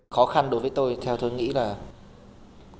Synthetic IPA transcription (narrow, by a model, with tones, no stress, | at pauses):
xɔ˨˦xa˧nɗo˨˦jvəː˨˦jt̪o˧jt̪ʰɛ˧wt̪o˧jŋḭ˧˥laː˨˩